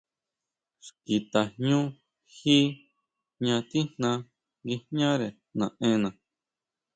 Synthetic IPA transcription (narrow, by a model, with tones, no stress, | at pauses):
ski˧t̪a˨hɲũ˦ | hi˦ | ɲã˧t̪i˦n̥nã˧ | ɡi˧hɲã˦ɾe˨ | nã˨ẽ˧˦nã˨